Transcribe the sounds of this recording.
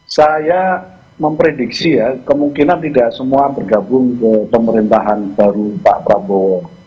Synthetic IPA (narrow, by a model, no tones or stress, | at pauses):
saja | məmpɾedik̚sijakəmuŋkinant̪idaʔsəmuabərɡabʊŋkəpəməɾint̪aɦanb̥aɾupaʔpɾabowər